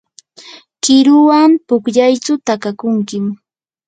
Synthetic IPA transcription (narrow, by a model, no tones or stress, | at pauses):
kɪɾʊwampʊkʎajt͡sʊt̪akakʊŋkɪm